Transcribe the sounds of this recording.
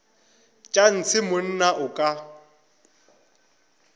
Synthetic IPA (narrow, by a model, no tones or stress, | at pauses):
t͡ʃʼan̩t͡sʰɪmʊn̩naʔʊkʼa